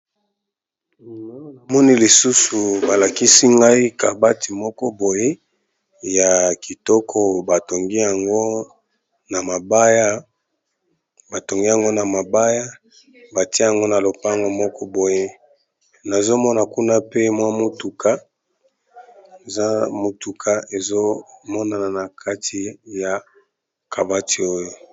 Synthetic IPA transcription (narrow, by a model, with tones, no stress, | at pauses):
mɔ˦ni˦li˨su˦su˨ba˨la˨ki˦si˦ŋɡa˦i˦ka˨ba˦ti˨mɔ˦kɔ˦bo˨je˦ | ja˨ki˨tɔ˦kʰɔ˦ba˨to˨ŋɡi˦ja˨ŋɡo˦ | na˨ma˨ba˦ja˦ | ba˨to˨ŋɡi˦ja˨ŋɡo˦na˨ma˨ba˦ja˦ | ba˨ti˦a˨ŋɡo˦na˨lo˨pa˦a˦˨ŋɡo˦mɔ˦kʰɔ˦bo˨je˦ | na˨zo˦mɔ˦na˨ku˦na˦pe˦mwa˦mo˦tu˨ka˦ | e˨za˦mo˨tu˨kʰa˨e˨zo˦mɔ˦na˨na˨na˨kʰa˦tʰi˨ja˨ | kʰa˨ba˦ti˨o˦jo˨